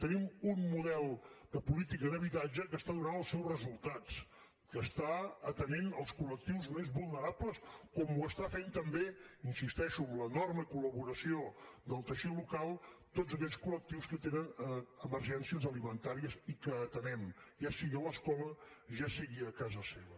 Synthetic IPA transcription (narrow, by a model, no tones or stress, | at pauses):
t̪ənimunmuðɛlˠd̪əpulit̪ikəðəβit̪ad͡ʒəkəst̪aðunanəlˠsɛwzrəzulˠt̪as | kəst̪aət̪ənenəlˠskulək̚t̪iwzmezβulˠnəɾapləskɔmuəst̪afent̪əmbeinsist̪ɛʃuəmlənɔrməkuləβuɾəsiod̪əlˠt̪əʃilukalˠt̪ozək̬ɛʎskulək̚t̪iwskət̪enənəməɾʒɛnsiəzəlimənt̪aɾiəzikəːt̪ənɛmʒasiɣiələskɔləʒasiɣiəkazəseβə